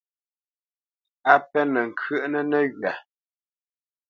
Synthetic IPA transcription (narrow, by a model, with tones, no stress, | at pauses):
a˦pɛ˦nə˨ŋ̩˨kʰə˦˨ʔnə˦nə˦ɣɥa˨